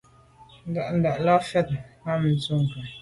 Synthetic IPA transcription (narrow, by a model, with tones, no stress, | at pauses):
n̩˦da˨ʔn̩˨da˨ʔla˦fɛ˦t̚ha˦mn̩˨˦tu˦ŋ˨ka˨